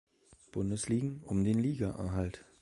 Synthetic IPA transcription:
b̥ʊndəsliːɡŋ̩ʔʊmdeːnliːɡaʔɛ̰ɐɦalt

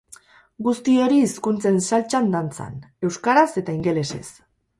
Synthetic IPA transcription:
ɡust̪io̞ɾiːskunt͡se̞nsalt͡ʃand̪ant͡sa̰ne̞wskaɾase̞t̪aiŋɡe̞le̞se̞̰s

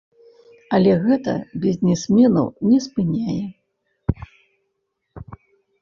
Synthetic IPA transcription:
ɐlʲɛɣɛt̪ɐ̰bʲizʲnʲɛsʲmʲɛnɐ̰wnʲɛspɨnʲajɛ

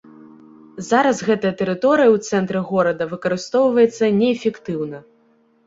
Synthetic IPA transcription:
zaɾɐzɣɛt̪ɐjɐt̪ɛɾɨt̪ɔɾɨjɐwt̪sɛnt̪ɾɨɣɔɾɐd̪ɐvɨkɐɾɨst̪ɔwvɐjɛt̪sːɐnʲɛːfʲɛkt̪ɨwnɐ

